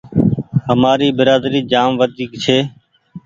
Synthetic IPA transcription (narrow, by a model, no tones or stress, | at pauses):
ɦəmaːɾiːbɪɾaːd̪ɾiːd͡ʒaːmʋəd̪ʱiːkt͡ʃʰeː